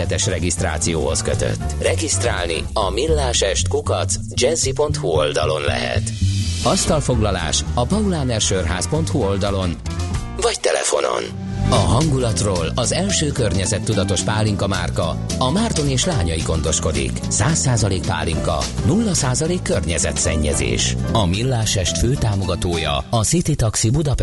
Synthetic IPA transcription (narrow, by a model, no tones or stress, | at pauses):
ɛt̪ɛʃrɛɡist̪ra̰ːt̪sijo̰ːho̞skø̰t̪ø̰t̪ːrɛɡist̪raːlnḭɒmilːaːʃɛʃt̪kukɒt̪s | d͡ʒɛnzipo̞nt̪huold̪ɒlo̞nlɛ̰ɦɛ̰t̪ɒst̪ɒlfo̞ɡlɒla̰ːʃɒpɒulaːnɛrʃørɦa̰ːspo̞nt̪huo̞ld̪ɒlo̞n | vɒct̪ɛlɛ̰fo̞̰no̞̰n | ɒɦɒŋɡulɒt̪roːlɒzɛlʃøːkørɲɛzɛt̪ːud̪ɒt̪o̞ʃpaːlːiŋkɒma̰ːrkɒ̰ | ɒmaːrt̪o̞neːʃlaːɲɒjiɡo̞n̪d̪o̞ʃko̞d̪ḭk | saːsːaːzɒleːk̚pa̰ːliŋkɒ̰ | nulːɒsaːzɒleːkːørɲɛzɛ̰t̪sɛɲːɛ̰zḛːʃɒmilːaːʃɛʃt̪føːt̪aːmo̞ɡɒt̪oːjɒ̰ɒsit̪it̪ɒksibud̪ɒp